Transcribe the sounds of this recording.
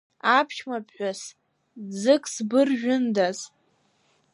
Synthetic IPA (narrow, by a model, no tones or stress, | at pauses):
apʰʃmapʰʼħᶣʷas | d͡zɨkʼsbɨrʒᶣʊndaz